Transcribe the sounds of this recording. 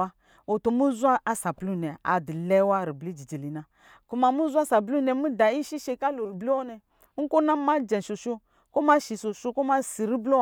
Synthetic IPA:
a˦ | o˨to˨mu˦zu˦a˦a˦sa˨plu˦˨nɛ˨a̰˨di˨lɛ˦wa˦˨ɾi˨bli˦d͡ʒi˨d͡ʒi˨li˨na˨ | ku˦ma˨mu˦za˦sa˨bu˦nɛ˨mu˦da˨i˦ʃi˦ʃe˧ka˦lo˨ɾi˨bli˦ɔ˦nɛ˨˦ | ŋ̩˦ko˦na˦ma˦d͡ʒɛ˨nʃo˨ʃu˦ | ko˦ma˦ʃi˨so˨ʃu˦ko˦ma˦si˨ɾi˦blo˦

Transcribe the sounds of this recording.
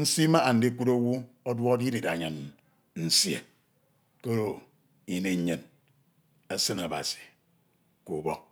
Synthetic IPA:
n̩˦si˦ma˦a˨n̩˨de˦kʷu˦ɾo˦wu˦ | o˦dwɔ˦o˦di˦di˨da˨ɲa˨n | n̩˦sjḛ˨ | ke˦ɾo˨ | i˨ne˨˦ɲɨ˨n | e˦sɨ˦na˨ba̰˨si̥˨ | ko˨bo˦

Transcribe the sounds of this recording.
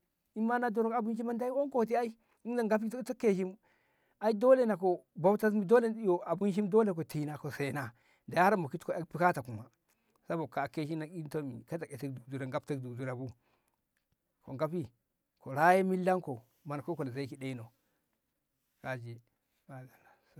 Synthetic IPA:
i˦mːa˦na˦do˦ɾo˦ka˨bu˦n˦ʃi˦ma˦nda˦i˦wo˦ŋko˦˨t̬i˦a˦i˦ | i˦da˨ŋɡa˦p̬i˦to˦ke˦ʃ̬i˦m | a˦i˦do˦le˨na˨ko˨ba˦wta˦smi˨do˦le˦˨˦jo˨a˨bu˦ʃi˦mdo˦le˨ko˨ti˨˦na˨ko˨se˨na˨ | da˨ja˦ɾa˦mo˨ki˦tko˨e˦lpi˦ka˦ta˨ku˨ma˨ | sa˦bo˨kːa˨kːe˦ʃ̬i˦na˨ki˦nto˦mḭ˨ka˦ta˨ke˨te˦kdu˨du˨ɾe˨ŋɡa˦pte˦kdu˨du˦ɾa˨bu˦ | ko̰˨ŋɡa˦pi˦ | ko˨ɾa˦je˦mi˦lːa˦ŋko˨ | ma˨na˨ko˦ko˨le˨za˦ki˨de˦no˨ | ka˨d͡ʒi˨ | ba˨da˨la˨

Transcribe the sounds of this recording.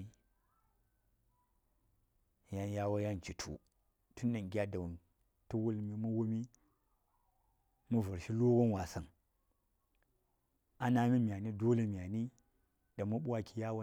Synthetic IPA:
i˦ | ja˦nja˦wa˦ja˦nt͡ʃi˨tʰṵ˨ | tu˦nːa˨ɡʲa˦da˨wu˨n | tu˦wu˦lmi˦mu˦wu˦mi˦ | mu˦vu˨ɾʃi˦lo˦wo˦nwa˨sɐ˨n | a˦na˦mi˦mja˨ni˦do˦le˦mʲ˨a˨ni˦ | da˨mu˦ɓu˦a˦ki˨ja˦wa˦

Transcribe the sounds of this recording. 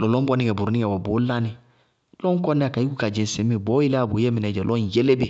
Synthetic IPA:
lɔ˨lɔ̃˦bɔ˦nĩ˦kɛ˨bu˨ɾu˨nĩ˦ɛ˨wɔ˨bo˨˦la˦nĩ˨ | lɔ̃˦ŋ˦kɔ˦nĩ˦a˨ka˨i˦ku˦ka˨d͡ʒɛ̃˨sẽ˦mĩ˨bɔ˦ji˦la˦a˨bo˨je˦mĩ˨nɛ˨d͡ʒɛ˨lɔ̃˦˨jɛ˦le˦bɛ˨

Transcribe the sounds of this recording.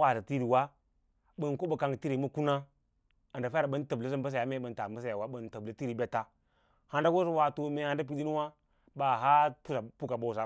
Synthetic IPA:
wa˨za˨ti˦ɾi˨wa˦ | ɓə˨nko˦bə˨ka˨ŋ˨ti˦ɾi˨mə˦ku˦na˦ | a˨nda˨fa˦a˨ɓə˦n˦tə˨blə˦z̬ə˦m˦bə˦s̬a˨ja˨˦me˦ɓə˨n˦ta˨mbə˦sa˦˨ja˨wa˦ɓə˨ntə˨blə˨ti˦ɾi˨bʲe˦tːa˦ | ha˨nda˦ɡo˦sə˦wa˨to˨me˨ha˦nda˦p̬i˦ɗi˦nu˦wa˦ | ɓa˨ɦa˦pu˦sa˨pu˦ka˨ɓo˦˨sa˨˦

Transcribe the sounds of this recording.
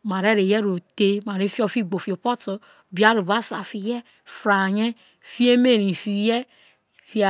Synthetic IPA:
ma˨ɾe˦ɾe˨je˦ɾo˨te˦ma˨ɾe˦fi˦o˦fi˦ɡ͡bo˨fi˨o˨po˦to˨ | bi˨˦a˦ɾu˨βa˦sa˨fi˨jɛ˦ | fɾa˨ɲe˦ | fi˦e˦me˦˨ɾi˨fi˨jɛ˦ | fi˦˨

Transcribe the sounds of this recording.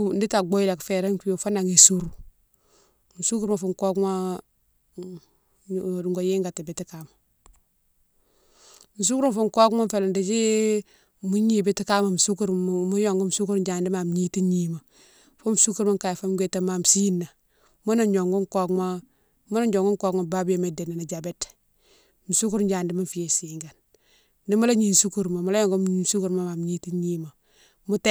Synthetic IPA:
n˦di˦ta˨ɡo˦ji˦la˨kfe˨ɾe˦ŋki˦jo˨fo˦na˨ŋi˨su˦ɾu˨ | m̩˨su˦ku˦ɾma˨fu˨ŋko˦kma˦˨ | ŋɡo˨jeː˦ŋɡa˨ti˨bi˨ti˦ka˨ma˨ | m̩˨s̬u˦kɾfu˦ŋ˨ko˦kma˦m˦fe˨la˨ndi˨d͡ʒi˦ | mu˦ɲi˨bi˦ti˦ka˦ma˨m̩˨su˦ku˦ɾmu˦jo˨ŋɡu˦m˨su˦ku˦ɾd͡ʒa˨ndi˦ma˨m˨ɲi˦ti˦ɲi˨ma˨ | fu˦m˨su˦ku˦ɾma˦ŋka˨jfa˦m˦ɡe˦˨tːa˨ma˨m˨si˦nːa˨ | mu˦na˨ɲo˨ŋɡu˦ŋ˦ko˦kma˦ | mu˦na˦d͡ʒo˨ŋɡu˦ŋko˦kma˨ba˦bi˦je˨me˨de˨na˨na˨d͡ʒa˨be˦t | mu˨su˦ku˦ɾd͡ʒa˨ndi˦ma˦ɱ˦fi˨je˨si˨ŋɡa˨n | di˦mu˦la˦ɲi˨n˨su˦ku˦˨ɾma˨mu˨la˦jo˦˨ŋɡu˦˨su˦ku˦ɾma˦ma˨m˨ɲi˦ti˦ɲi˦ma˨ | mu˦te˦

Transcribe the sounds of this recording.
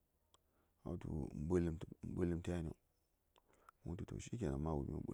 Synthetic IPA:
a̰˨˦tu˨m˦bə˦lə˦m˨m̩˦bə˦lə˦mta˦n˨o̰˨ | mu˦tu˨to̰˨ʃi˦k̬ʲe˨na˨ma˦˨wu˨mḭ˦o̰˦ɓṵ˦

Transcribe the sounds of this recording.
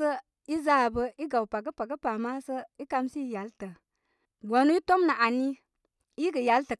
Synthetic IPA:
ə˦ | i˦zaː˦bə˧i˦ɡa˨wpa˨ɡə˦pa˨ɡə˦pa˨ma˦sə˦i˦ka˧msi˦˨ja˨˦ltə˨ | ɡa˨nu˦i˦to˦mna˨ʔa˨ni˦ | i˦ɡə˨ja˨˦ltə˨

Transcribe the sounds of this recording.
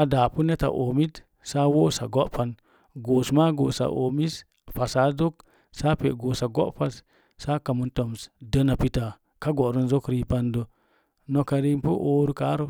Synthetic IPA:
a˨daː˨pu˦ne˦ta̰˨ʔo˨mi˦t | sa˦wo˦sa̰˨ɡo˦ʔpa˧n | ɡo˨sma˦ɡo˨sa̰˨ʔo˨mi˦s | pa˨sa˨˦zo˦k̚ | sa˦pḛ˨ɡo˨sa˨ɡo̰˦ʔpa˦s | sa˦ka˨mu˨nto˨msdə˦na˨pi˦ta˨ | ka˦ɡo˨ɾu˦nzo˦kɾi˦pa˦ndə˨ | no˨ka˨ɾi˦mpu˦ʔoː˦ɾu˦ka˨˦ɾu˦

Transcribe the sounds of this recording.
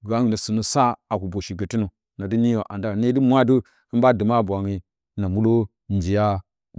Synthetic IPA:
ɡa˨˦i˨na˨su˨nu˨sa˦a˨ku˨bo˨ʃi˨ɡə˨ti˦no˨ | na˨di˦ni˦jo˨ʔa˨nda˦˨ne˦du˦mʷ˦a˦du˦ | i˦m˦ba˦də˨ma˦˨bʷa˨ŋi˦ | na˨mu˦lo˦ | n˦d͡ʒi˨ja˦

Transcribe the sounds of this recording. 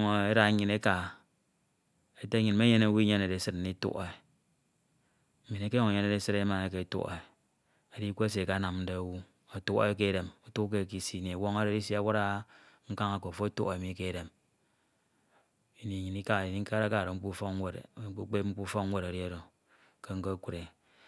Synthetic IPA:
ŋo˨e˦ɾa˨˦ɲi˨ne˦ka˨ | e˦te˦ɲi˨nme˦ɲe˦na˨˦wu˦ɲe˦ne˨de˨˦sɨ˦t̚n̩˦i˦tṵ˦ʔe˨ | mi˨ne˦ke˦ɔ˦ŋe˨ɲe˦ne˨ɾe˦sɨ˦ɾe˦ma˨ne˨k̬e˨˦tṵ˦ʔḛ˨ | a˨di˦kʷo˦e˦s̬e˨ka˦na˨mn̩˦de˦˨wu˦ | a˨tu˦kḛ˦k̬e˦ɾe˨mu˦tu˦k̬e˦˨k̬i˦si˦˨ni˨a˨wo˦ŋa˦ɾe˦˨di˦si˦a˦wa˦ɾa˦ | ŋ̩˦ka˦ŋa˨ko˨fo˦a˦tṵ˦ʔe˨mi˨˦ke˦˨ɾe˨m | i˨ni˨ɲi˨ni˦ka˦˨i˨ni˦ŋ̩˦ka˦ɾa˦ka˦˨ɾo˨ŋ͡m̩˦k͡pu˦fɔ˦ke˦ɾu˦k͡pe˦ŋ͡m̩˦k͡pu˦fɔ˦kŋ̩˦we˦˨ɾa˨ɾi˦a˦ɾo˨ | ke˦ŋ̩˦ko˦kʷu˨ɾe˨

